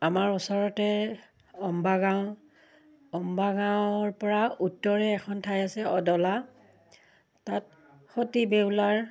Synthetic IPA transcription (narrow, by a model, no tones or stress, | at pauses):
amaɹusɔɹɔtɛ | ɔmbaɡãw̃ | ɔmbaɡawɔɹpɔɹaʔutːɔɹɛːkʰɔntʰajasɛɔdɔla | tat̚ | xotibeʊlaɹ